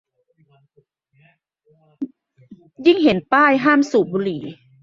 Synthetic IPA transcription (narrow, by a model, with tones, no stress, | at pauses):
ji˥˩ŋɦe˩˦npaː˥˩jɦaː˥˩msuː˨˩buː˨˧liː˩˦